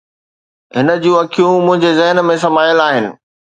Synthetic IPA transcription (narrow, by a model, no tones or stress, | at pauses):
ɦɪnə̆d͡ʑũɐkʰijũmʊ̃ɦɪ̃ɲd͡ʑezɛɦnmẽsɐmaːjəlaːɦɪnɪ̆